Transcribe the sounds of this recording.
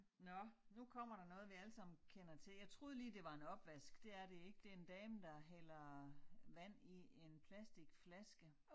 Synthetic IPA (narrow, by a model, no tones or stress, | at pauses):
nɒ̽nukʰɒ̽m̰ɐɾ̥ɑ̈nɔ̽ːð̞̩ˠʋiælsɑ̈m̰n̩kʰenɐt͡sʰe̝ljɑ̈ɪt͡sʰʁo̝ːðˠliːd̥e̝ʋɑ̈e̝nɒ̽b̥ʋæsɡ̥d̥e̝æɐɾe̝e̝ɡ̥əd̥e̝end̥ɛːmd̥ɑ̈ɦel̰ɐ | ʋæn̰ie̝npʰlæsd̥iɡ̥flæsɡ̥ə